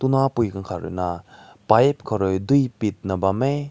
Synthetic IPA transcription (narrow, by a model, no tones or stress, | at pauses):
tunapujkaŋkʰaɾɯ̰na | pajp̚kʰɔɾɔjdujpit̚nɐbame